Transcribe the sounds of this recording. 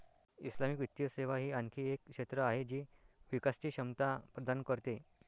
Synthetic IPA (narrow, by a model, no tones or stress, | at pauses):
islamikʋit̪ːjəseʋaɦiːaŋkʰiːekʂet̪ɾəaɦed͡ʑiːʋikast͡ɕiːɕəmt̪apɾəd̪ankəɾt̪e